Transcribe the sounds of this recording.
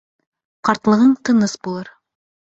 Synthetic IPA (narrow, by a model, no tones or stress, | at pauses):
qɑɾt̪lˠɤ̆ʁɤɴt̪ɤ̆nɤsbulˠɤɾ